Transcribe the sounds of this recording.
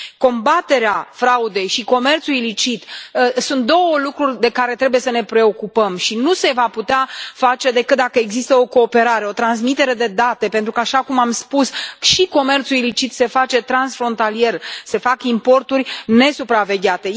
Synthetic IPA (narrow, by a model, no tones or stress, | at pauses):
ko̞mbat̪e̞ɾeafɾaud̪e̞jʃiko̞me̞rt̪suilit͡ʃit̪əsunt̪̚d̪o̞wəlukɾurʲd̪e̞kaɾe̞t̪ɾe̞buje̞səne̞pɾe̞o̞kupəmʃinuse̞vaput̪eafat͡ʃe̞d̪e̞kɨt̪̚d̪akəeɡzist̪əo̞ko̞ːpe̞ɾaɾe̞o̞t̪ɾans̬mit̪e̞ɾe̞d̪e̞d̪at̪e̞pe̞nt̪ɾukəaʃakumamspusʃiko̞me̞rt̪suilit͡ʃit̪se̞fat͡ʃe̞t̪ɾansfɾo̞nt̪alije̞rse̞fakimpo̞rt̪urʲne̞supɾave̞ɡʲat̪e̞